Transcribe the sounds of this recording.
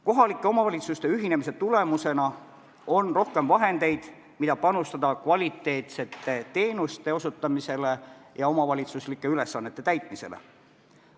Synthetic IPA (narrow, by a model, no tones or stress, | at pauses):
ko̞ɦɑlikːˑe̞o̞mɑvɑlit̪sust̪e̞yɦine̞mis̬e̞t̪ule̞muse̞nɑ | o̞nro̞hke̞mvɑɦe̞nd̪e̞jd̪̥ | mid̪̥ɑpɑnust̪ɑd̪ɑkvɑlʲit̪ːˑe̞ːt̪se̞t̪ːˑe̞t̪e̞ːnust̪e̞o̞sut̪ˑːɑmise̞le̞jɑo̞mɑvɑlʲit̪suslikːˑe̞yle̞sːɑnːe̞t̪ːˑe̞t̪æjt̪ˑmise̞̰lḛ